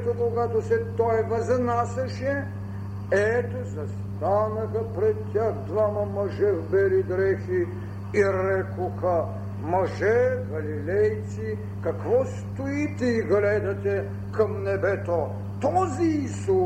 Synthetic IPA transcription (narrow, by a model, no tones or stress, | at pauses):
t̪okoɡat̪osɛt̪ɔjɛvɐznasɐʃɛ | ɛt̪ozɐst̪anəxɐpɾɛt̪t̪ʲːaxd̪vamɐmɐʒɛvbɛlid̪ɾɛxi | iɾɛkoxɐ | mɐʒɛɡɐlilɛjt̪si | kɐkvɔst̪ʊit̪ɛiɡlɛd̪ɐt̪ɛ | kɐmnɛbɛt̪o | t̪ɔziisu